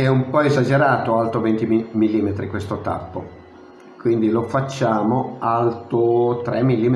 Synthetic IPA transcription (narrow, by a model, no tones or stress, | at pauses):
ɛumpɔezad͡ʒeɾaːt̪oalt̪ovent̪imilːiːmet̪ɾikwest̪ot̪a̰pːo̰ | kwind̪ilofat͡ʃːaːmoalt̪ot̪ɾɛmːilːiːme